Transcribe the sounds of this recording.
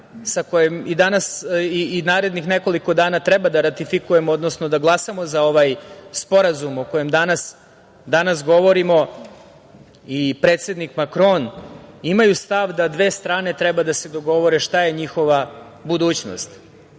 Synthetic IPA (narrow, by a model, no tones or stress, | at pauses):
sakojemid̪anasiinaːɾe̞d̪nixne̞ko̞liko̞d̪aːnat̪ɾɛbad̪aɾat̪ifikuje̞mood̪no̞sno̞d̪aɡlˠasamo̞zao̞ʋajspo̞ɾazumoko̞jemd̪anas | d̪anasɡo̞ʋo̞ɾimo̞ | ipɾe̞ːt̪se̞d̪nikmakɾo̞nimajust̪aʋd̪ad̪ʋe̞ːst̪ɾaːne̞t̪ɾɛbad̪ase̞d̪o̞ɡo̞ʋo̞ɾe̞ʃt̪aje̞ɲixo̞ʋa | bud̪uːt͡ɕno̰st̪